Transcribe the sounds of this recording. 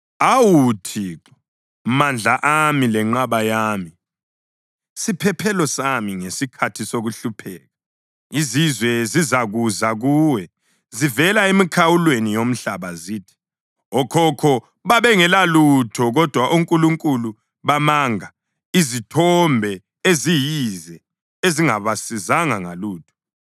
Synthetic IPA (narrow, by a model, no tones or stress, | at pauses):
awutʰiǁɔ | mand͡ɮʱaʔamilɛŋ͡ǁaβajaːmi | sipʰɛpʰɛlɔsamiŋesikʰatʰisoɣuɬupʰɛɣa | izizwɛzizaɣuzaɣuːwɛ | zivɛlaemikʰawulwenijom̩ɬaβaziːtʰi̥ | ɔkʰɔkʰɔ | βaβɛŋɛlalutʰɔɣɔd̥ʱwaʔuŋkʼuluŋkʼulu | βamaŋa | izitʰɔmbʱɛ | ezijizɛ | eziŋaβasizaŋaŋa̰luːtʰɔ̥